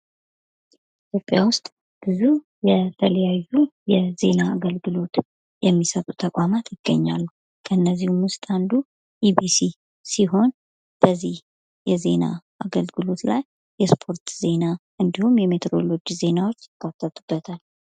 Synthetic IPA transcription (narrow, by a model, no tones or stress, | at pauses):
it̪ʰjo̞pʼːjawʊst̪ʼ | b̥ɨzu | jɛt̪ʰələjajːujɛze̞naːɡəlɡɨlo̞t̪ | jɛmːisət̪ʼut̪ʰəkʷʼamat̪jɪɡ̥ːəɲːa̰lːu | kʰəɨnːəzːihumwʊst̪ʼand̪u | ʔibisi | siɦo̞n | b̥əzːih | jɛze̞na̰ʔaɡəlɡɨlo̞t̪lajː | ɛspʰo̞ɾt̪z̥e̞naʔɨnd̪ihumjɛme̞t̪ɾo̞̰lo̞d͡ʒize̞nawo̞t͡ʃːkʼːat̪ʼːət̪ʼub̥ːət̪ʰal